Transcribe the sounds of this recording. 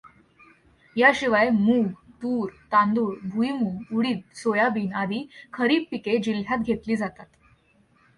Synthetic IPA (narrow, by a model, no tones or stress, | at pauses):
jaɕiʋajmuɡt̪uːɾt̪ãnd̪uːɽbʱuimuŋɡuɽiːt̪̚sojabiːnad̪iːkʰəɾiːp̚piked͡ʑiljat̪̚ɡʱet̪liːd͡zat̪at̪